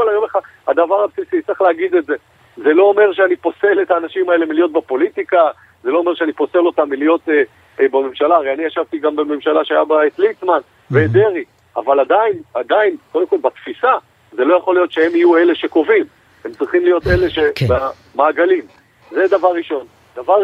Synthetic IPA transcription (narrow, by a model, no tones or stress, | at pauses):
olajomeχad | ha̰d̪avaʁhabsisit͡s̪iχleaɡid̪e̞tze̞ | ze̞lo̞ːme̞ʁʃeanipo̞se̞let̪aːnaʃimaele̞milijo̞t̪̚bepo̞lit̪ika | zelo̞ːme̞ʁʃeanipo̞se̞lo̞t̪amːilijo̞t̪e | bamemʃalaʁeaniaʃavt̪iɡambeme̞mʃalaʃeajabaet̪litman | veːd̪e̞ʁi | a̰valad̪ainad̪ainkod̪emko̞lbat̪fisa | ze̞lo̞jaχo̞lijo̞t̪ʃehe̞mijue̞leʃe̞ko̞vim | hemt͡sʁiχimlijo̞t̪e̞le̞ʃeba | maːɡalim | zed̪avaʁːiʃo̞n | d̥̪avaʁ